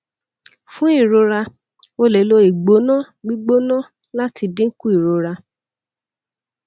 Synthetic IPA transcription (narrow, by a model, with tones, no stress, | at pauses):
fũ˦i˦˨ɾo˧ɾa˧ | o˦˧le˨˦lo˧i˨ɡ͡bo˨˦nã˦˨ | ɡ͡bi˦ɡ͡bo˦nã˦˨ | la˦ti˧dĩ˦ŋ̩˦ku˦i˦˨ɾo˧ɾa˧